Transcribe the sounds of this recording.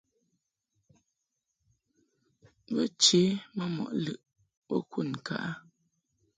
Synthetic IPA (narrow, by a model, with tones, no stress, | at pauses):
bə˦t͡ʃe˨˦mə˦mɔ̰˨ʔlɨ˨ʔ | bɔ̰˦ku˦˨n˨ka̰˨ʔa˦